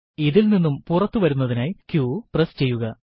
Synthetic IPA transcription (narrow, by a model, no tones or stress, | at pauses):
iðilninːumpurɐt̪ːuʋɐɾunːɐðinaːjkjuːprest͡ɕe̞jːuɣɐ